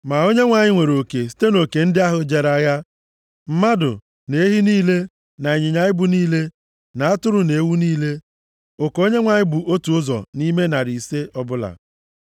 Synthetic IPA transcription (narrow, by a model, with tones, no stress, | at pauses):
ma˨o˦ɲe˦ŋʷa˨ɲɪ˦ŋʷe˨ɾo˨ke˨si̥˦te˦no˨ke˨n̩˦dɪ˦a˦ɦʊ˦d͡ʒe˨ɾa˦ja˦ | m̩˦ma˦dʊ̰˨ | ne˨˦e˦ɦi˦niː˦le˦ | na˨e˨ɲɪ˨ɲa˨ɪ˦bʊ˨niː˦le˦ | na˨a˦tʊ˦ɾʊ˨ne˨˦wu˦niː˦le˦ | o˨ko˦ɲe˦ŋʷa˨ɲɪ˦bʊ˨ʔo˦tu˨ʊ˦zɔ̰˨ni˦me˦na˨ɾi˨se˦ʔɔ˦bʊ˦la̰˨